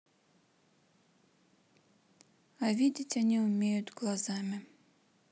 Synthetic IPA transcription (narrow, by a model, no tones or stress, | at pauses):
avʲidʲɪtʲɐnʲiʊmʲejʊt̪ɡlˠɐzamʲɪ